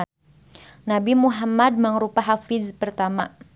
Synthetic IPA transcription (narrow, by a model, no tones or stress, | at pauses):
nabimuɦamad̚məŋɾupaɦafɪzpərt̪ama